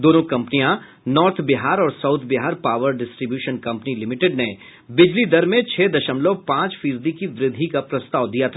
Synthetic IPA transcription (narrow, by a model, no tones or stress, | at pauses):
d̪oːnõkɐ̃mpnijã | nɔːɾt̪ʰbɪɦaːɾɔːɾsaʊt̪ʰbɪɦaːɾpaːʋəɾɖɪsʈɾibjuːʃənkɐ̃mpnilɪmɪʈɪɖne | bɪd͡ʒlid̪ɐɾmẽt͡ʃʰɛːd̪ɐʃəmlopãːt͡ʃfiːsd̪ikiʋɾɪd̪ʱːikapɾɐst̪aːʋd̪ijat̪ʰa